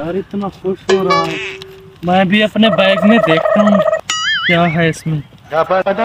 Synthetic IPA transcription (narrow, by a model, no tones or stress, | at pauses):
əɾɪt̪naːxʊʃɦoːɾəɦaɦɛː | mɛ̃ːbʱiːəpneːbɛːɡnẽːd̪eːkʰt̪aːɦũkjaːɦɛːɪsmẽː